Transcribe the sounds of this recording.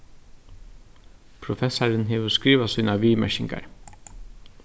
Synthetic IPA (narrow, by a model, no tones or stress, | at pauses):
pʰɾʊfɛsaɾənɦɛːʋəskɾiːʋasuːnaʋiːmɛ̰ʃɪŋka̰ɹ